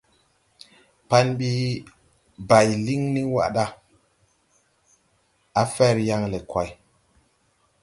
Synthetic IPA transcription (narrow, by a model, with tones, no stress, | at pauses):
pa˦nɓi˦ | ba˨jli˦ŋni˦wa̰˦˨ɗa˦ | a˨fɛ˦˨ɾja˦ŋle˨kwa˨j